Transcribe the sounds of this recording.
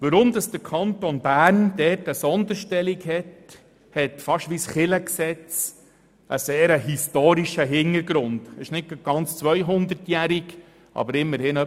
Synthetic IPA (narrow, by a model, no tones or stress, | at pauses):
ʋəɾʊmd̥̪ɑsd̥əɾkʰɑnt̪onbæːɾnd̥ɛːtəsɔnd̪əɾʃtɛlikhɛt | hɛtfɑʃʋisχɪləksɛt͡s | ʔəseːɾəɦistoːɾiʃəɦɪnəɾɡɾʊnd̥ɪʃnɪt̚ɡ̚ɡ̥ɑnt͡st͡sʋœjɦʊnd̪ətjæɾiɡ | ʔɑ̰bəɾɪmːəɾhɪnœ